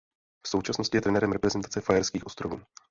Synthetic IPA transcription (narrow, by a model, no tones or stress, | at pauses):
fsowt͡ʃasno̞scɪjɛt̪ɾɛnɛɾɛmɾɛpɾɛzɛnt̪at͡sɛfajɛɾskiːxʔo̞st̪ɾo̞vuː